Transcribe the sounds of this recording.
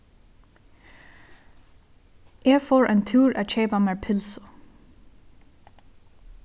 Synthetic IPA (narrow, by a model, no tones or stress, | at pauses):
ʔeːɡfoːɹʔæɪnt̪ʰʉːɹæːc͡çeːpameːɹpʰɪlsʊ̥